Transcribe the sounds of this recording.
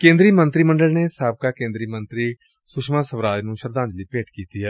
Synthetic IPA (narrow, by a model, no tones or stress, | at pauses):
kẽːnd̪ɾiːmənt̪ɾiːməɳɖəlneːsaːb̚kaːkẽːnd̪ɾiːmənt̪ɾiː | sʊʃmãːsəʋɾaːd͡ʒnũːʃəɾd̪ãːnd͡ʒ̪liːpeːʈkiːt̪iːɦɛː